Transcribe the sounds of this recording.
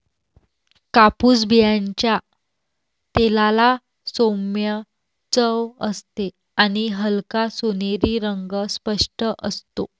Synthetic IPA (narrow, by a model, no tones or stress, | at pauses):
kapuːsbʱijãɲt͡ɕja | t̪elala | somjə | t͡səʋəst̪e | añiɦəlkasoneɾiːɾəŋɡəspəʂʈəʔəst̪o